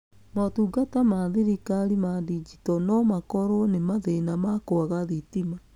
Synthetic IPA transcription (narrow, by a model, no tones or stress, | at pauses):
matuːɡatamaðiɾikaɾimadid͡ʒitɔnɔmakɔɾonemaðenamakoaɣaðitima